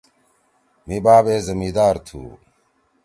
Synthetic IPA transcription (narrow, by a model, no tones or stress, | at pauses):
mibaːbeːzɐmiːd̪aːɾt̪ʰṵː